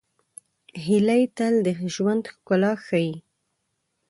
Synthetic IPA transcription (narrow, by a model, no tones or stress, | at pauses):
ɦilajt̪ald̪əʒwand̪xkʊlɑxaji